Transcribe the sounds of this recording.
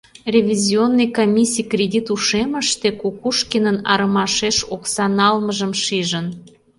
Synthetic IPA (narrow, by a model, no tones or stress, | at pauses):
rʲevʲizʲionːɨjkomʲisʲijkrʲedʲit̪uʃeməʃt̪ekukuʃkenənɑ̰ɾəmɑʃeʃoksɑnɑlməʒəmʃiʒən